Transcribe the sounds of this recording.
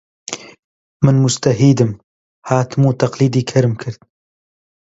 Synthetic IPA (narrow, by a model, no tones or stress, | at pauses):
mɨnmʊst̪ɐɦiːd̪ɨm | haːt̪ɨmuːt̪ʰɐqliːd̪iːkʰɐɾɨmkʰɨɾd̪̚